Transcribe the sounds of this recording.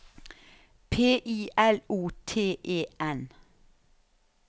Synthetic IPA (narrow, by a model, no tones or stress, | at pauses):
pʰeːʔiːʔɛluːt̪ʰeːʔeːʔɛn